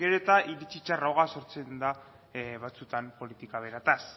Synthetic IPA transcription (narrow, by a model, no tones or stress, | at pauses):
ɡeɾot̪aʔiɾit͡ʃit͡ʃarawɣaso̞ɾt͡se̞nd̪a | βat͡sut̪ampo̞lit̪ikaβ̞e̞ɾat̪as